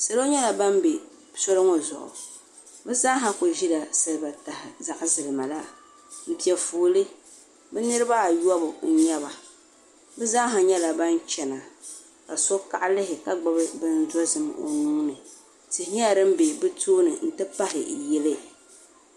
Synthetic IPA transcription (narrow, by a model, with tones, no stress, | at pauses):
sa˨lo˦ɲɛ˦la˨ba˦m˦be˨ | so˦lɨ˦ŋo˦zʊ̰˨ʔʊ̰˨ | bɨ˦za˦ɦa˦ko˨ʒi˦la˨sɨ˦lba˨ta˨hɪ˨za˦ʔzɨ˨lɨ˨ma˨la˦ | m̩˨pi˨ɛ˨foː˨lɨ˦ | bɛ˦nɨ˦ɾɨ˦ba˦˨jɔ˦bʊ˨n̩˦ɲɛ˦βa˨ | bɛ˦za˦ɦa˨ɲɛ˦la˨ba˦n˦t͡ʃɛ˨na˨ | ka˨so˦ka˦ʔlɪ˦ɦɪ˨ka˨ɡ͡ba˦bɨ˦bɨ˦n̩˦zɔ˦zɨ˨mo̰˨nuː˦nɨ˨ | tɪ˨hɲ˦a˦˨ɾɨ˦m̩˦be˨bɨ˦tuː˦nɨ˨n̩˦tɨ˦pa˦ɦɪ̰˨jɛ˦lɨ˦